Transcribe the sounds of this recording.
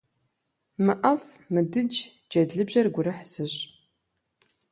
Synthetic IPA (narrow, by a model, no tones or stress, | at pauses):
mɨʔɐfmɨdɨd͡ʒ | d͡ʒɐdɮɨbʑɐrɡʷʊɾɨħsɨɕʼ